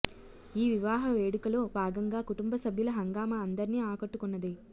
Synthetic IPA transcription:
iːʋiʋaːɦɐʋeːɽikɐloːbʱaːɡɐŋɡaːkuʈumbɐsɐbʱjulɐɦɐŋɡaːmɐːnd̪ɐɾniːaːkɐʈːukunːɐd̪i

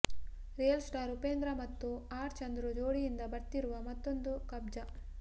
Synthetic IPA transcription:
ɾeːɐlsʈaːɾupeːnd̪ɾɐmɐt̪ːuaːɾt͡ʃɐnd̪ɾud͡ʒoːɽijind̪ɐbɐɾt̪iɾuʋɐmɐt̪ːo̞nd̪ukɐbd͡ʒɐ

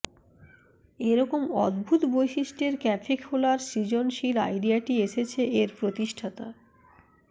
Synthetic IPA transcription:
eɾɔkomɔ̰d̪bʱut̪bojʃiʃʈeɾkɛfʰikholaɾsid͡ʑonʃila̰jɖiaʈieʃet͡ɕʰeʔeɾpɾot̪iʃʈʰat̪a̰

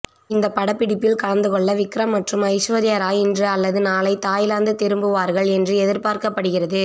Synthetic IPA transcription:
ɪnd̪ɐpːɐɽɐpːɪɽɪpːɪlkɐɻɐnd̪ɯkɔɭːɐʋɪkɾɐmːɐʈrɯmɐɪʂʋɐðɪjɐɾaːjɪndrɯɐlːɐðɯnaːlɐɪt̪aːjɪlaːnd̪ɯt̪ɪɾɯmbɯʋaːɾɣɐɭɛndrɯɛðɪɾpaːɾkɐpːɐɽɯɣɪrɐðɯ

